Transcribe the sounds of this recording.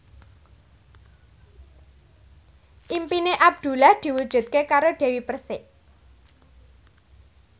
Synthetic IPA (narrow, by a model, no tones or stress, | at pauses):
ʔimpineʔab̚d̪̥ṳlahd̪̥i̤wud̥ʒ̥ṳt̪̚kekaɾoɖ̥e̤wipərsɪʔ